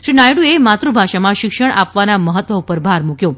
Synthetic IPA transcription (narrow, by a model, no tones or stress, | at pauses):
ʃinajɽuemat̪ɾubʱaʃamãʃɪkʃəɽ̃ʔapʋanaməɦət̪ʋəupəɾbʱaɾmukjo